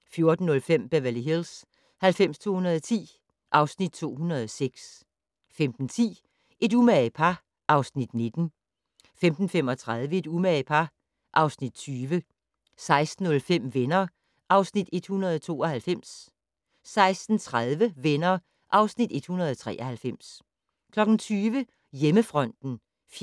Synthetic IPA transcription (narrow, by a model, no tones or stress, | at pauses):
fjo̝ɐd̥n̩ːɔ̽lfem̰b̥æʋæliɦils | hælfem̰st͡sʰo̝̰ːhunɐð̞ˠɒt͡sʰḭː | ʔɑ̈ʊsnid̥̚t͡sʰo̝̰ːhunɐð̞ˠɒseɡ̥s | femd̥n̩t͡sʰḭː | ʔe̝dumæpʰɑ̈ | ʔɑ̈ʊsnid̥ne̝d̥n̩ | femd̥n̩fem̰ɒ̽t͡sʰʁaðˠʋəe̝d̥umæpʰɑ̈ | ʔɑ̈ʊsnid̥̚t͡sʰyːʋə | sɑ̈ɪsd̥n̩ɔ̽lfem̰ʋenɐː | ʔɑ̈ʊsnid̥e̝d̥hunɐð̞ˠɒt͡sʰo̝̰ːɒ̽hælfem̰s | sɑ̈ɪsd̥n̩t͡sʰʁaðˠʋəʋenɐː | ʔɑ̈ʊsnid̥e̝d̥hunɐð̞ˠt͡sʰʁɛ̰ːʔɐhælfem̰s | kʰlɒ̽ɡ̥n̩t͡sʰyːʋə | jeməfʁɒ̽n̰d̥n̩ | f